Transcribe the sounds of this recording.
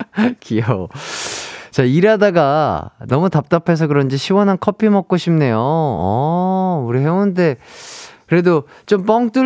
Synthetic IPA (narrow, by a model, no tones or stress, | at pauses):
kijo | t͡ɕaiɾadaɡanʌmutap̚t͈apʰe̞s̬ʰʌkɯɾʌnd͡ʑiɕʰiwʌnɦankʰʌpʰimʌk͈oɕʰimne̞joʌ | uɾiɦe̞onnde̞ | kɯɾe̞do | t͡ɕomp͈ʌŋk̚t͈u